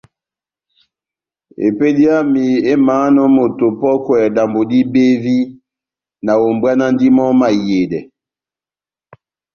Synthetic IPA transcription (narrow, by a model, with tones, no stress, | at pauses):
ḛ˨pe˦di˦a˦mi˨e˦maː˨˦nɔ˦mo˨to˨pɔ˦kwɛ˨da˨mbo˨di˦be˦vi˦ | na˨o˨mbwa˦na˦n˦di˦mɔ˦ma˨je˨dɛ˨